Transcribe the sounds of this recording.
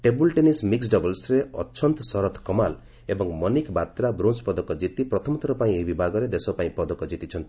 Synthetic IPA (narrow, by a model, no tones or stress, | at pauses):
ʈebulʈenismiksɖɔbɔlsɾeɔ̰ːt͡ʃʰɔnt̪ɔsɔɾɔt̪kɔmal | ebɔŋmɔnikbat̪ɾabɾonspɔd̪ɔkɔd͡ʒit̪ipɾɔt̪ʰɔmɔt̪ʰɔɾɔpaĩeibibʱaɡɔɾed̪esɔpaĩpɔd̪ɔkɔd͡ʒit̪it͡ʃʰɔnt̪i̥